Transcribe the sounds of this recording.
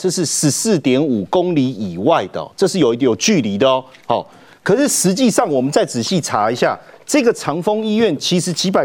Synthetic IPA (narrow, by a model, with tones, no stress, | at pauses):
ʈ͡ʂɤ˥˧ʂɻ̩˥˧ʂɻ̩˧˥sɹ̩˥˨t̪jɛ˧˥nu˨˩ko˦ŋli˧˥i˨˩wa˥˨ɪd̪ə˩ɔ̰˨˩ʈ͡ʂɤ˥˧ʂɻ̩˥˩jo˨˩i˧t̪o˨˩t͡ɕy˥˨li˨˥d̪ə˧˦ | hɔ̰˨˩ | kʰɤ˨˩ʂ̩˥˩ʂɻ̩˧˦t͡ɕi˥˧ʂɑ˥˩ŋwɔ˨˩mə˨˦nt͡sa˥˩ɪt͡sɹ̩˨˩ɕi˥˨t͡sʰa̰˧˥i˧˥ɕja̰˥˩ʈ͡ʂɤ˥˧ɡə˨t͡sʰɑ˧˥ŋfo˦ŋi˥ɥɛ˥˨nt͡ɕʰi˧˥ʂɻ̩˧˥t͡ɕʰi˧˥pa˨